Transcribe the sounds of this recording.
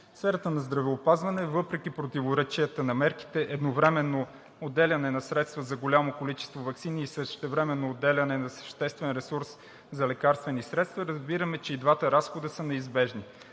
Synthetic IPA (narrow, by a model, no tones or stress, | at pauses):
sfɛɾət̪ənɐzd̪ɾɐvɛopazvɐnɛvɤpɾɛk̟ʲipɾot̪ivoɾɛt͡ʃiət̪ənɐmɛɾki̥t̪ɛʔɛd̪novɾɛmɛnːo | od̪ɛlʲɐnɛnɐsɾɛt̪st̪vəzɐɡolʲamokolit͡ʃɛ̥st̪vovɐksiniːsəʃt̪ɛvɾɛmɛnːoːd̪ːɛlʲɐnɛnɐsə̥ʃt̪ɛst̪vɛnɾɛsuɾs | zɐlɛkaɾst̪vɛnisɾɛt̪st̪vɐɾəzbiɾəmɛt͡ʃɛid̪vat̪əɾasxod̪əsənɛizbɛʒni